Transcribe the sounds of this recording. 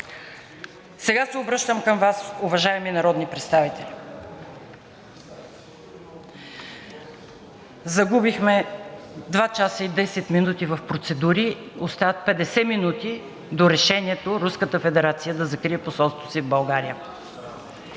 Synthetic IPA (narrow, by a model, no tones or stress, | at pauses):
sɛɡasɛobɾɤʃt̪əmkəmvasuvɐʒaɛminɐɾɔd̪nipɾɛt̪st̪avit̪ɛlʲi | zɐɡubixmɛ | d̪vat͡ʃasəid̪ɛsɛt̪minut̪ivəfpɾot̪sɛd̪uɾiost̪avət̪̚pɛd̪ɛsɛminut̪i | d̪oɾɛʃɛniɛt̪oɾuskət̪əfɛd̪ɛɾat̪sijəd̪ɐzɐkɾiɛposɔlˠst̪vosivbɐlˠɡaɾijə